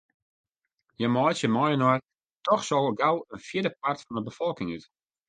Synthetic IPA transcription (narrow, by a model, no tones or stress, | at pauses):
jəmɔjsjəmɔjənɔr | tɔxsɔɣəɡawənfjɪdəp̚artfɔnəbəfɔlˠkɪŋyt